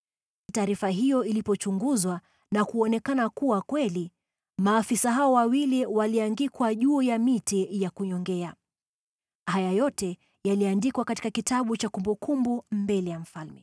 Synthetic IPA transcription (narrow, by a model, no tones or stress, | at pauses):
taːɾifaɦijɔilipɔt͡ʃuŋɡuzwa | nakuɔnɛkanakuwakwɛli | maːfisaɦaɔwawiliwaliaŋɡikwaʄuːjamitijakuɲɔŋɡɛa | hajajɔtɛ | jaliandikwakati̥kakitaɓut͡ʃakumbukʰumbumbɛlɛjam̩falmɛ